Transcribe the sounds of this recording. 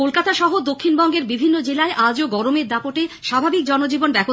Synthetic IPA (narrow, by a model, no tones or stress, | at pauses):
olkat̪aʃɔɦod̪okʰːinbɔŋɡeɾbibʱinːod͡ʑelaeʔad͡ʑoɡɔɾomeɾd̪apoʈeʃabʱabik̚d͡ʑɔnod͡ʑibonbɛbo